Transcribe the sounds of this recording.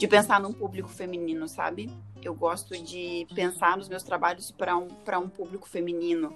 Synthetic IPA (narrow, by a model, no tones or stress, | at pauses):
d͡ʒɪpẽsaɾnũpublikʊ̥femĩnĩnʊsa̰bɪewɡɔst̪ʊd͡ʒɪpẽsaɾnʊzmewst̪ɾabaʎʊspɾɐũpɾɐũpublikʊ̥femĩnĩnʊ